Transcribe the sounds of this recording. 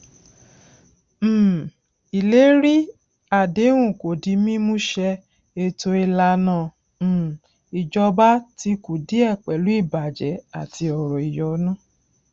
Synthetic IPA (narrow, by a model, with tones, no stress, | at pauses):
i˨le˨˦ɾi˦ | a˨de˨˦w̃ũ˦˨ko˨di˨˦mĩ˦mũ˦ʃɛ˧ | e˧to˧i˧la˧nã˦˨ | i˨d͡ʒɔ˧ba˦ti˧ku˨di˨˦ɛ˦˨k͡pɛ˨lu˨˦i˦˨ba˨d͡ʒɛ˨˦a˦˨ti˧ɔ˨ɾɔ˨i˨jɔ˨˦nã˦˨